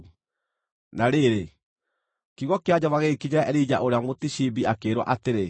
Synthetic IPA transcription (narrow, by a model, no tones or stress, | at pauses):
naɾeɾe | kiɣɔkead͡ʑaβaɣekiɲɛʔɾid͡ʑa̰ʔoɾeamotiɕibiakeːɾwa̰ʔateɾe